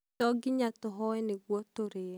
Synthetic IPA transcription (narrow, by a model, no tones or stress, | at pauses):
tɔɡɪɲat̪ɔɦɔwɛneɡwɔt̪oɾe